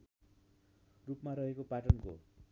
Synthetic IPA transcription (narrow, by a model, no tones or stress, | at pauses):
rupmaɾʌɦekopaʈʌnko̰